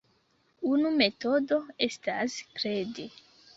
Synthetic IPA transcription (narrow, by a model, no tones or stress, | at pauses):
unume̞to̞do̞e̞staskɾede